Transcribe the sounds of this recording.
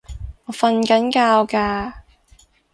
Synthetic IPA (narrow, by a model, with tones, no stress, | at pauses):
ŋɔː˨˧fɐ˧nkɐ˨˥nkaː˧wkaː˧